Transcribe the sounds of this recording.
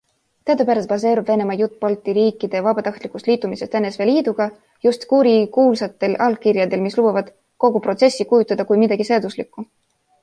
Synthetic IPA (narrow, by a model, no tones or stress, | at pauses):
t̪eɑd̪pæɾɑst̪pɑs̬e̞ːɾubve̞ne̞mɑjut̪ːˑpɑlt̪ːˑiɾiːkːˑid̪̥e̞vɑbɑt̪ɑht̪likˑust̪liːt̪ːˑumise̞st̪e̞nːesve̞liːd̪uɡ̥ɑ | just̪kuɾikuːlsɑt̪ːe̞lɑlkirjɑd̪e̞lmislub̥ɑvɑd̪̥ | ko̞ɡupro̞t̪se̞sʲːikujut̪ːˑɑd̪ɑkujmid̪̥ɑɡ̥iseɑd̪̥uslikːˑu